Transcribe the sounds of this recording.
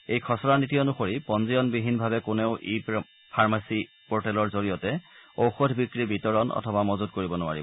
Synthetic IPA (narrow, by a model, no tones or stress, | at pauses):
ejkʰɔsɔɹanitijɔnʊxoɹipɔnzijɔnbiɦinbʱabɛkʊneʊʔi | pʰaɹmasi | pɔɹtɛlɔɹzoɹijɔtɛowxodʱbikɹibitɔɹɔnʔɔ̰tʰɔbamɔzud̚koɹibɔnʊa̰ɹib